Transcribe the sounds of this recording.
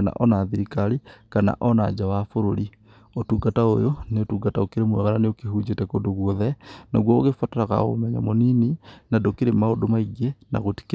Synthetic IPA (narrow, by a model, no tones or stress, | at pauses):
na̰ʔɔnaðiɾikaɾikana̰ʔɔnad͡ʒawafoɾoɾi | otuɡatao̰joneotuɡataokeɾemwɛ̰ɣaɾaneokehud͡ʒetɛkodoɣwɔðɛna̰ɣwɔɣefataɾaɣa̰o̰mɛɲa̰monininadokeɾemaodomaiɣɛna̰ɣoti̥k